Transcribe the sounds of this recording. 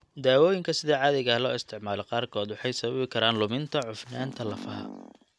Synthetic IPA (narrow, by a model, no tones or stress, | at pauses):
d̪aːwɔːjɪŋkʰɐsɪðɛːʕɑːðɪɣɐlɔ̰ːɪst̪ʰɪʕmaːlɛqɑːrkʰɔːd̪wʊħɑjsɐβɐβɪkʰɐɾaːnlʊmɪnt̪ʰɐʕʊfnaːnt̪ʰɐlɐfɐɦɐ̰